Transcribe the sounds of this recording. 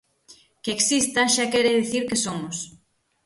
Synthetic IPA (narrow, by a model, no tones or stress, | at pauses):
keksist̪ɐʃakɛɾeðiθiɾkesomʊs